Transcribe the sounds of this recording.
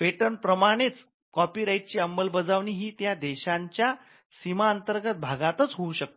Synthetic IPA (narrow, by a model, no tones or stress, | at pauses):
peʈənpɾəmaɽ̃et͡s | kɔpiːɾaiʈ̚t͡ɕiːəmbəlbəd͡zaʋɳ̃iːɦiːt̪jad̪ɛɕaɲt͡ɕja | simaənt̪əɾɡət̪̚bʱaɡãt̪ət͡sɦouɕək̚t̪o